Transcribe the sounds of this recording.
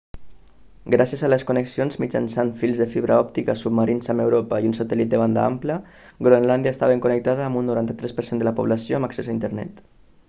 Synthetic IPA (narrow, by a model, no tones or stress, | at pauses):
ɡɾasjəzaləskuneksionzmit͡ʃa̰nsanfilˠzðəfiβɾʔəɔp̚t̪ikəsub̚məɾinzamewɾopaiunsət̪ɛlit̪̚d̪əβ̞and̪a̰a̰mplə | ɡɾoenland̪jaest̪aβeŋkunək̚t̪aðəːmunːuɾant̪ət̪ɾɛspəɾsend̪ələpuβlasioamaksezaint̪əɾnɛ̰t̪